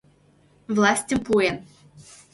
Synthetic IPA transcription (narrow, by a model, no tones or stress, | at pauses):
vlˠasʲtʲəmpuɛn